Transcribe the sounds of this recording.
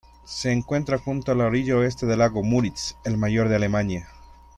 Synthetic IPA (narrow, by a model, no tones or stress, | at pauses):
seːŋkwe̞nt̪ɾaxunt̪oalaoɾiʝaoe̞st̪eðe̞laɣomuɾitselmaʝo̞ɾðealemãɲja